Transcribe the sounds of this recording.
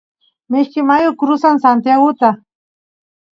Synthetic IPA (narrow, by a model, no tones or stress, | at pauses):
mɪʃkɪmajʊkɾʊsansant̪jaɣʊt̪a